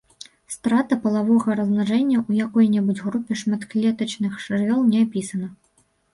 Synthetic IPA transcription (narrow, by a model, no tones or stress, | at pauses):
st̪ɾat̪ɐpɐlˠavɔɣɐɾɐznaʐɛnʲːɐʔujakɔjnʲɛbud͡zʲɣɾupʲɛʂmat̪klʲɛt̪ɐt͡ʂnɨxʂrvʲɔlˠnʲɛapʲisɐnɐ